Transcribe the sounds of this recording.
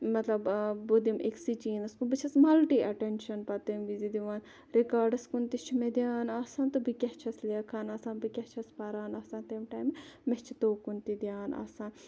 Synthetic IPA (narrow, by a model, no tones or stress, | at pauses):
mɐt̪lɐbbod̪imʔeksit͡ʃiːnɐskunbit͡ʃʰɐsmɐlʈiːʔɐʈenʃɐnpɐt̪ɐmʋizid̪iʋaːn | ɾikaːɾɖɐskunt̪it͡ʃʰimed̪jaːnaːsaːnt̪ubʱikʲɐht͡ʃʰɐsleːkʰaːnaːsaːnbikʲɐht͡ʃʰɐspaɾaːnaːsaːnt̪emʈaːjmemet͡ʃʰit̪oːkunt̪id̪jaːna̰ːsaːn